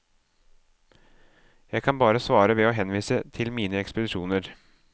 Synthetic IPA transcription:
jæɪɡkʰɑnbɑːɾəsʋɑːɾəʋɛoːɦɛnʋiːsət̪ʰɪlmiːnəɛkspəd̪ɪʂuːnəɾ

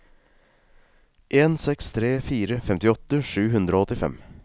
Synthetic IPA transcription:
ʔeːnsɛkst̪ʰɾeːfiːɾəfɛmt̪ɪɔt̪əʂʉːɦʉnd̪ɾoːɔt̪ɪfɛ̰m

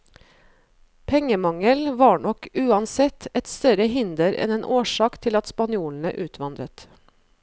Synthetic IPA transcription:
pʰɛŋəmɑŋəlʋɑːɳɔkʉːɑnsɛt̪ɛt̪st̪œɾəhɪnd̪əɾɛ̰neːnʔoːʃɑːkt̪ʰɪlɑt̪spɑnjuːln̩ə̰ʔʉːt̪ʰʋɑnd̪ɾət̪

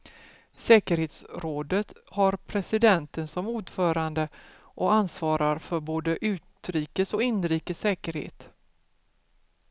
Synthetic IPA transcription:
sɛːkəɾheːt̪sɾoːd̪ət̪haɾpʰɾɛsɪd̪ɛnt̪ənsɔmuːɖfœːɾand̪ə | ʔɔansvɑːɾaɾfœɾboːd̪əʔʉ̟ːt̪ɾiːkəsɔɪnːɾiːkəsːɛːkəɾhḛːt̪

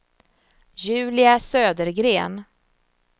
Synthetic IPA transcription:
jʉ̟ːlɪasøːd̪əɾɡɾeːn

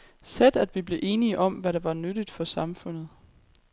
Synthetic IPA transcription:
sed̥æd̥ʋib̥le̝ʔe̝ːniəʔɒ̽mʋæɾɑ̈ʋɑ̈nød̥id̥fɒ̽sɑ̈mfɔ̽n̰ð̞̩ˠ

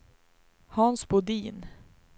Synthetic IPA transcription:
hansbʊd̪iːn

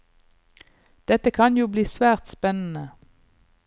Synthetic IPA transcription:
d̪̥ɛt̪əkʰɑnjuːbliːsʋæːʁt̪spɛnn̩ə

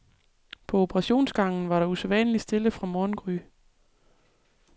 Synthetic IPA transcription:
pʰɒ̽o̝pʰəʁɑ̈ɕo̝̰ːnsɡ̥ɑ̈ŋ̰n̩ʋɑ̈ɾɑ̈usɛʋænəlisd̥e̝ləfʁɑ̈mɒːnɡ̥ʁy

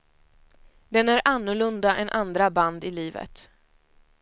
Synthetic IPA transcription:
d̪ɛnæɾʔanːʊɭɵnd̪aʔɛnʔand̪ɾaband̪ɪliːvə̰t̪

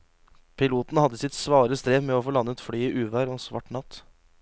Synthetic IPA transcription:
pʰɪluːt̪n̩əhɑd̪ːəsɪt̪sʋɑːɾəst̪ɾeːʋmɛoːfoːlɑnːət̪fɽyːiʔʉːʋæːɾoːsʋɑ̰ʈɳɑt̪

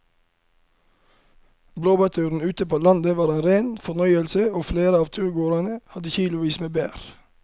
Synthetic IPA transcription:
bloːbɑt̪ʰʉːɾn̩ʉːt̪əpoːlɑnd̪əʋɑːɾeːnɾeːnfɔnœʏəlsəoːfleːɾəɑːʋt̪ʰʉːɾɡoːɾɑnəhɑd̪əçiːlʊʋiːsmeːbḛːɾ

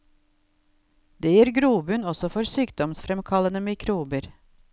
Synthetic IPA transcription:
d̪̥eːjiːɾɡɾuːbʉnɔsɔfɔɾsyːkd̪ɔmsfɾɛmkʰɑlənəmɪkʰɾuːbəɾ

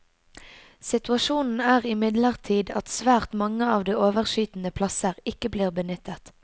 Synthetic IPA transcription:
sɪt̪ʉɑʃuːnn̩æːʁɪmɪd̪ləʁt̪ʰiːd̪ɑt̪sʋæːʁt̪mɑŋəɑːʋd̪iːoːʋəʁʃyːt̪n̩əpʰlɑsəʁɪkəbliːʁbənʏt̪ət̪

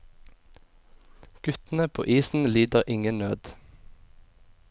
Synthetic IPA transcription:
ɡ̥ʉt̪n̩əpʰo̰ːʔiːsn̩liːd̪əʁʔɪŋənnøːd̪

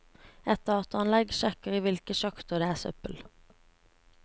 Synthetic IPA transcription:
ɛt̪əɑt̪ɑnlɛɡʃɛkəʁiːʋɪlkəʃɑkt̪əd̪eːæːsœ̰pəl

